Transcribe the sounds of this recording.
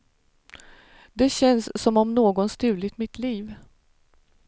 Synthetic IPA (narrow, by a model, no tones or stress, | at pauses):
d̪ɛɕɛnsːɔmɔmnoːɡɔnst̪ʉ̟ːlɪt̪mɪt̪ʰliːv